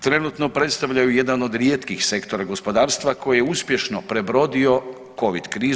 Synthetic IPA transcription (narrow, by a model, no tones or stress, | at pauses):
t̪ɾe̞nut̪no̞pɾet̪st̪aʋʎajujed̪ano̞d̪ɾjeːt̪kixse̞kt̪o̞ɾaɡo̞spo̞d̪aːɾst̪ʋako̞jijeuspje̞ʃno̞pɾe̞bɾo̞d̪io̞ | ko̞ʋḭd̪kɾiː